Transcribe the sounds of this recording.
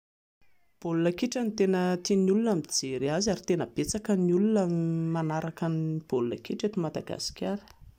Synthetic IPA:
b̥olunəkiʈ͡ʂənit̪enət̪inulunamid͡zeɾiazaɾit̪enəb̥et͡sakəniulunəmanaɾakanib̥olunə̰kiʈ͡ʂet̪umad̪a̰ɡa̰si̥kʲaɾi̥

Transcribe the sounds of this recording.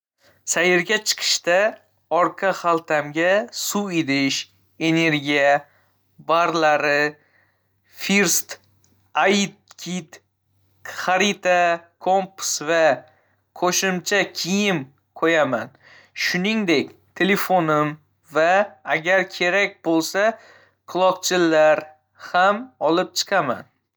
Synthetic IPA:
sajɪɾɡʲat͡ʃʰɨ̥qʰɨ̥ʃt̪a | ɒɾqʰɑχalˠt̪ʰamɡʲasued̪ɪʃ | e̞ne̞ɾɡʲija | baɾlaɾɪ | fiɾst̪ | at̪̚kʲʰit̪ | χaɾit̪ʰakʰompsva | qʰoʃɪmt͡ʃʰakʲʰijɪm | qʰojaman | ʃʊnɪŋd̪ekʲt̪ʰe̞le̞fonɪm | vaːɡʲaɾkʲʰe̞ɾak̚ʲbolˠsa | qʰɨlˠɒqt͡ʃʰɪlːaɾ | hamɒlˠɪp̚t͡ʃʰɨ̥qʰɑma̰n

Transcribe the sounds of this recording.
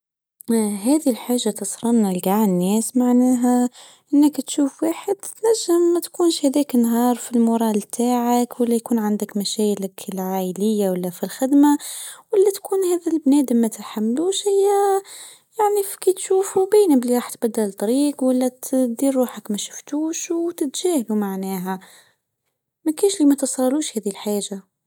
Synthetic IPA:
ɦæd̪ilħaːʒːat̪əsˤɾˤɑnnalɡaʕnːɛːsmaʕnæːɦæ | ʔənːəkt̪ʃuːfwaːħəd̪t̪næʒːəmːæt̪kuːnʃhæd̪ɛknːɦɑːɾˤfilmʊɾˤɑlt̪ʰaːʕakwəlːæjkuːnʕand̪əkmæʃæjləkʰəlʕajələjːawalːæfilxɪd̪mawəlːæt̪kuːnhæːd̪ilbnɛːd̪mːæt̪ħamːluːʃhɪjːæ | jaʕnifkit̪ʃuːfubiːnəbliɾˤɑːħt̪bæd̪ːalt̪ˤɑɾiːqwælːæt̪d̪iːrˤːuːħəkmæʃʊ̥ft̪uːʃwt̪ɪt̪ʒ̥æːhlumaʕnæːɦæ | mækænʃlimæt̪əsˤɑˤuːʃhæːd̪ilħaːʒa

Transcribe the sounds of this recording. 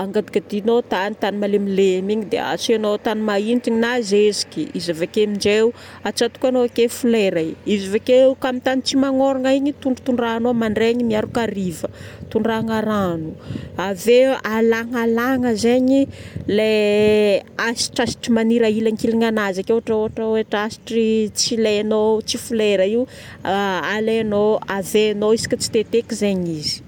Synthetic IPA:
aŋɡad̪ikad̪inot̪anit̪animalemilemiɲid̪ḛa̰senot̪animaint̪iɲinazezi̥kiizavekemiɳd͡ʒeu | at͡ʃat̪u̥kʲanoakefuleɾaizavekeukamit̪anit͡simaŋoɾaŋaiɲit̪uɳɖ͡ʐu̥t̪uɳɖ͡ʐanomaɳɖ͡ʐeɲimiaɾukaɾivət̪uɳɖ͡ʐaŋaɾanuavealaŋalaŋəzeɲile | asi̥ʈ͡ʂasi̥ʈ͡ʂimaniɾailaŋkiliŋanazakeaʈ͡ʂaoaʈ͡ʂəeaʈ͡ʂasi̥ʈ͡ʂit͡sileanot͡sifuleɾəiu | aleanoaveanoisi̥kʲət͡si̥t̪et̪ekizeɲizi̥

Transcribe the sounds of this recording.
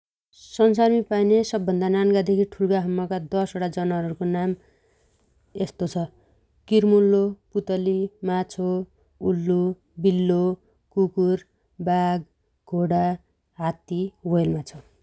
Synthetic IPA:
sʌnsarmipajnesʌbːʌnd̪ʱananɡad̪ekʰiʈʰuɽɡaɦʌmːʌkad̪ʌsoɽad͡zʌnaɾʌɾukonam | est̪ot͡sʰʌ | kirmulːoput̪ʌlimat͡sʰo | ulːu | bilːo | kukur | baɡ | ɡʱoɽa | ɦat̪iwʌjelmat͡sʰʌ

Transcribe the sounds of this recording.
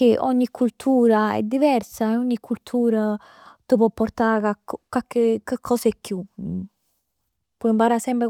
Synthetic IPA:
eʔɔ̰ɲːikʰːult̪ʰuːɾaɛ̰d̪ːivɛrsaeɔɲːikʰːult̪ʰuːɾa | t̪əpɔpːɔɾt̪akakɔkːakːekakʰːɔsekːju | pɔimpaɾasɛmpɾe

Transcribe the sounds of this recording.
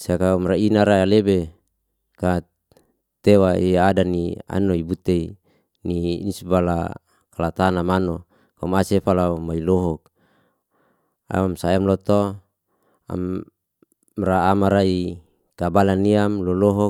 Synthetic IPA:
sakaumrainaɾaalebe | ka | t̪ewaiadania̰noibut̪ei | nḭːnisbala̰ | kalat̪anamano | kaumasefalamailɔɦɔk̚ | a̰mamsaamlɔt̪o | a̰m | raːmaɾai | kabalaniamlɔlɔɦɔ

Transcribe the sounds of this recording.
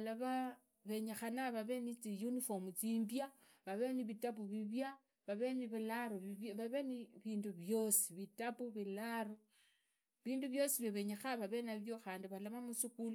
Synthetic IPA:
alaβa | βe̞ɲexanaβaβe̞nit͡sijunifomut͡simbja | βaβe̞niβitapuβiβja | βaβe̞niβilaɾoβiββaβeniβiːnduβjosi̥βitapuβilaɾo | βiːnduβjo̞siβjoβe̞ɲexaβaβenaβjoxaːndiβalamamusikulu

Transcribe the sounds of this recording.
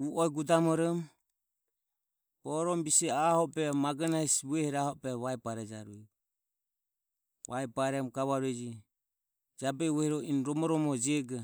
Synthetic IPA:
uʔɔɛɡud̪amɔɾɔm | bɔɾɔmbisɛahɔpɛmaɡanaisβuɛhɛɾahɔpɛβaɛpaɾɛd͡ʒaɾuɛ | βajpaɾɛmɡaβaɾuɛd͡ʒi | d͡ʒabɛβɔhiɾɔinɾɔmɔɾɔmɔd͡ʒiɛɡɛ

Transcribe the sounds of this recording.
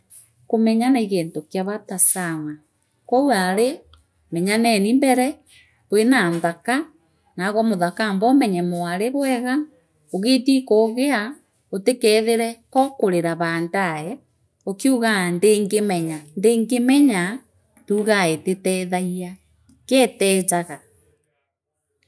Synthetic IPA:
komɛɲanaiɣeːntokjaβatasama | kɔwaɾe | mɛɲanɛnimbɛɾɛ | twenanðaka | naɣɔmoðakambɔmɛɲɛmoaɾeβwɛɣa | oɣetikoɣea | otekɛːðeɾɛkɔkoɾeɾaβaːndaɛ | okeuɣandeŋɡemɛɲandeːŋɡemɛɲa | tuɣaetetɛðaia | kɛːtɛt͡ʃaɣa

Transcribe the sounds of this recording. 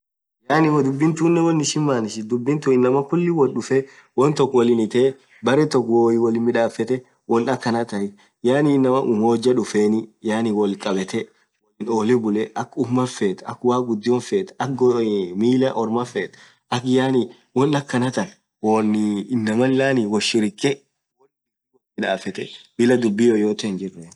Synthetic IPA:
jaːnɪwd̪ʊbːɪnt̪uːnːɛwɔnːɪʃɪmːaːnɪʃɪd̪ʊbːɪnt̪uɪnːɐmɐkʊlːɪwɔlɗʊfɛ | wɔnt̪ɔkːwɔlɪnɪt̪eː | bɐɾɛt̪ɔkːwoːjɪwɔlɪmɪᶑaːfːɛt̪ɛ | wɔnɐkːɐnɐt̪ɐɪ | jaːnɪːnːɐmɐʔʊhoːd͡ʒɐᶑʊfeːnɪjaːnɪwɔlkʼɐbɛt̪ɛ | wɔlɪnoːlɪbʊlɛʔɐkːʊmɐfeːt̪ɐkːwaːɡʊd̪ːɪɔnfeːt̪ɐkɡmiːlɐʔɔɾmɐfːeːt̪ | ʔɐkjaːnɪ | wɔnːɐkːɐnɐt̪ɐn | wonɪɪnːɐmɐllaːniwɔʃɪɾɪkʼːɛ | wɔl | wɔmɪᶑaːfɛt̪ɛbɪlɐd̪ʊbːɪjoːjoːt̪ɛnd͡ʒɪrːe

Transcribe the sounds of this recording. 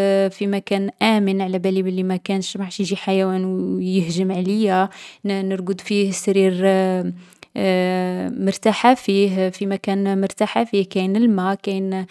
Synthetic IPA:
fimækænʔæmənʕalæbælibəlːimækænʃmaʕʃjʒiħajæwænjəhʒəmʕləjːænəɾɡəd̪fihsɾiɾ | mʊɾt̪aħafiɦfimækænmʊɾt̪aħafihkæjnəlmækæjn

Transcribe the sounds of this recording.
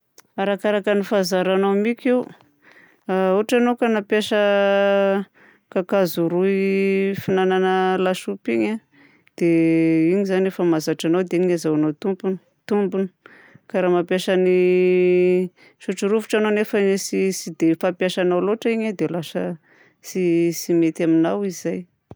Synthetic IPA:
aɾakaɾakənifazaɾanamikʲiw | uʈ͡ʂanowkanapjaʃə | kakazuɾuifinananəlaʃupiɲa | d̪̥eiɲizanefəmazaʈ͡ʂanawd̪eiɲɲazawanowt̪umpunə̥ | t̪umbunə̥ | kaɾamapjaʃani | ʃuʈ͡ʂiɾuvuʈ͡ʂanonefəsisid̪efapjaʃanawloʈ͡ʂiɲad̪elaʃə | sisimet̪aminawizaj

